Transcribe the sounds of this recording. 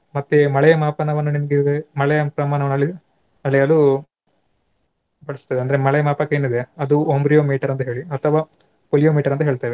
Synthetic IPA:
mɐt̪ːemɐɭɛjɐmaːpɐnɐʋɐnːunimɐɡemɐɭɛjɐpɾɐmaːnɐʋɐnɐlːi | ɐɭɛjɐlu | bɐɭisu̥t̪ːɐːd̪eɐnd̪ɐɾemɐɭɛjɐmaːpɐkːeːnid̪e̞ɐd̪uombɾijoːmiːʈɐɾɐnt̪ɐɦeːɭiɐt̪ʰːɐʋaː | polijomiːʈɐɾɐnt̪ɐɦe̞ːɭt̪aːʋe

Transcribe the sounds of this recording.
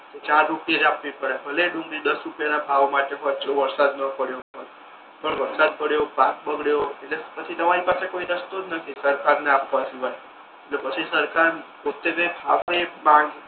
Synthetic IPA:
ket͡ʃaɾːupijed͡ʒapʋipəɾebəleɖũŋɡɾid̪əsɾupjanabʱaʋmaʈeɦotd͡ʒoʋəɾsad̪nəpəɽjoɦoj | pəɳʋəɾsad̪̚pəɽjopãk̚bəɡɽjoeʈlepət͡ʃʰit̪əmaɾipasekoiɾəst̪od͡ʒ̪nək̪ʰisəɾkaɾneapʋasʰibaɾe | eʈlepət͡ʃʰisəɾkaɾpot̪ːebẽkʰa̰ʋɾebãɡ

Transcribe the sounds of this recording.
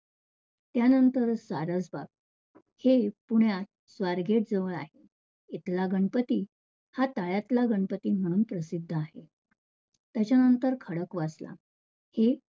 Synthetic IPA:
t̪janənt̪əɾsaɾəd͡zbab̚ | hepuɳjat̪ | sʋaɾɡeʈ̚d͡zəʋəɭa̰ɦe | it̪laɡəɳpət̪iː | hat̪aɭjat̪laɡəɳpət̪iːm̤əɽ̃uːnpɾəsid̪ʱːəaɦe | t̪jat͡ɕanənt̪əɾkʰəɽəkʋasla̰ | he

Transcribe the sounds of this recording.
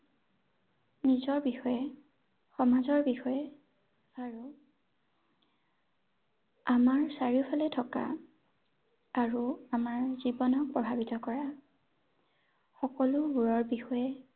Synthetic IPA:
nizɔɹbixɔjɛ | xɔmazɔɹbixɔjɛ | aɹu | amaɹsaɹipʰalɛtʰɔka̰ | ɹuamaɹzibɔnɔk̚pɹɔbʱabitɔkɔɹa | xɔkɔlʊbuɹɔɹbixɔjɛ

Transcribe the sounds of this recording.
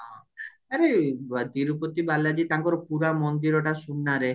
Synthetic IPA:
ã | aɾed̪iɾupot̪ibalad͡ʒit̪aŋkɔɾɔpuɾamɔnd̪iɾɔʈasunːaɾe

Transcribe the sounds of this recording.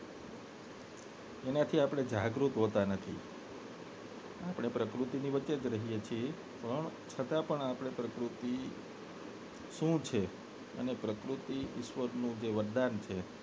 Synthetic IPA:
enat̪ʰiapɽ̃ed͡ʒaɡɾut̪ɦot̪anət̪ʰi | apɽ̃epɾəkɾut̪iniʋət͡ʃːed͡ʒɾəɦijet͡ʃʰie | pəɳt͡ʃʰət̪ãpəɳapɽ̃epɾəkɾut̪i | ʃũt͡ʃʰe | ə̰nepɾəkɾut̪iɪʃʋəɾnũd͡ʒeʋəɾd̪ant͡ʃʰe

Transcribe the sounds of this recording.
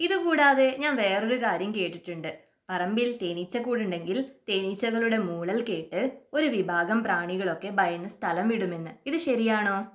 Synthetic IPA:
iðɨkuːɽaːðe̞ɲaːnʋe̞ːro̞ɾukaːɾjɐmke̞ːʈːiʈːuɳɖɨ | pɐrɐmbilt̪e̞ːnit͡ɕːɐkːuːɽuɳɖe̞ŋɡilt̪e̞ːnit͡ɕːɐɣɐɭuɽe̞muːɭɐlke̞ːʈːɨo̞ɾuʋibʱaːɡɐmpraːɳiɣɐɭo̞kːe̞bɐjɐnːɨst̪ʰɐlɐmʋiɽume̞nːɨiðɨɕɐɾijaːɳo̞ː

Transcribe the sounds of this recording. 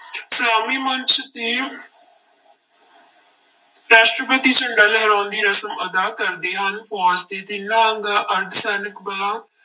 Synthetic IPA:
saːmiːmənt͡ʃʰt̪eː | ɾɛːsʈɾəbeːt̪iːt͡ʃəɳɖaːlɛɦɾãːnd̪iːɾəsəməd̪aːkəɾd̪eːɦənfʰaːst̪eːt̪ɪːnãːəŋɡaːʔəɾd̪sɛːnəkbəlãː

